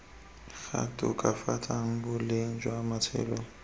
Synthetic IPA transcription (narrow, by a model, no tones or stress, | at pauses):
ɣatʼʊ̰kʼafatʰʼaŋ̩bʊleŋ̩d͡ʒwaːmat͡sʰɛ̰ːlɔ